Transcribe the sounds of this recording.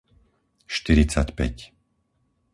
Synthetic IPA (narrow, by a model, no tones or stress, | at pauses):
ʃt̪iɾit͡sacpɛ̰c